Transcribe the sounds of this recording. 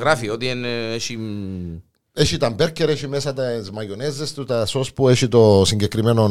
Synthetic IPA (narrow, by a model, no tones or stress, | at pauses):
ɣɾafiot̪ieneʃi | eʃit̪ɐmbeɾceɾeʃimesɐt̪ɐzmɐjonezːest̪ut̪ɐsospueʃit̪osiɲɟekɾimeno